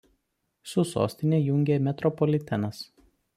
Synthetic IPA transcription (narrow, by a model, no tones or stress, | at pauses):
sʊso̰ːsʲt̪ʲɪnʲeːjʊŋʲɡʲeːmʲɛt̪ɾɔpɔlʲɪt̪ʲɛnɐs